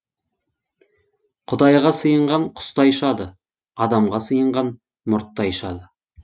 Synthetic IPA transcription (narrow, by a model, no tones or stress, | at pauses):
qʰʊd̪ɑjʁɑsəjəɴʁɑɴqʰʊ̥st̪ɑjʃɑd̪ə | ɑd̪ɑmʁɑsəjəɴʁɑn | mʊɾt̪ːɑjʃɑd̪ə